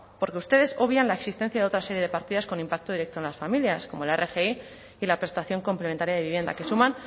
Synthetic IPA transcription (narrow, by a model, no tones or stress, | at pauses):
po̞ɾke̞ust̪e̞ð̞e̞so̞βjanlae̞ksist̪e̞n̟θjaðeot̪ɾaseɾje̞ðe̞paɾt̪iðasko̞nimpak̚t̪o̞ðiɾek̚t̪onlasfamiljasko̞mo̞elerʔexei | ilapɾe̞st̪aθjo̞ŋko̞mplement̪aɾjaðeiβje̞nd̪a̰ke̞sumãn